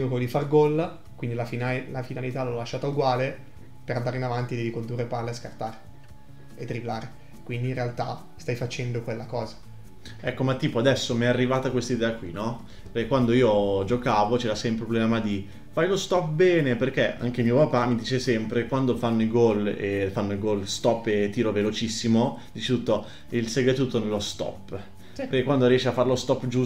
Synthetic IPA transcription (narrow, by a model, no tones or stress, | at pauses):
ɡokolod̪ifarɡɔl | kwind̪ilafinalafinalit̪aloɔlaʃːaːt̪auɡwaːle | peɾand̪aɾinavant̪id̪ɛːvikond̪urːeparlːaeskart̪aːɾe | et̪ːɾiblaːɾe | kwind̪iːnrealt̪a̰ | st̪ajfat͡ʃɛnd̪okwelːakɔːzḁ | ɛkːomat̪ːiːpoad̪ɛsːomiɛarːivaːt̪akwest̪aid̪ɛːakwinɔ | perkekwand̪oiːod͡ʒokaːvot͡ʃeːɾasɛumpɾeɾepblɛmad̪i | fajlost̪ɔp̚bɛːneperk̟eʔa̰ŋk̟emiopapamːid̪iːt͡ʃesɛmpɾekwand̪ofanːoiɡɔlefanːoilɡɔlst̪ɔpːet̪ːiːɾovelot͡ʃisːimod̪iːt͡ʃe̥t̪ut̪ːo | ilseɡɾet̪uːt̪ːonelːost̪ɔ̰pː | peɾkekːwand̪oɾiɛʃːiafːaɾelost̪ɔpːd͡ʒu